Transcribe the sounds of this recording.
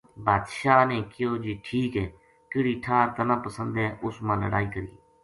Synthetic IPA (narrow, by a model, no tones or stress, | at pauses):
baːd̪ʃaːneːkɪjoːd͡ʒiːʈʰiːkɦɛː | kɪɽiːʈʰaːɾt̪ənãːpəsə̃nd̪ɛ̃ːʔʊsmãːləɽaːiːkəɾḭː